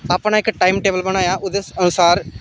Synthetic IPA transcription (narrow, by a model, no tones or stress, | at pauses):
aːpɳãːɪkʈaːimʈeːbəlbəɽ̃aːjaːʔʊd̪eənʊsaːɾ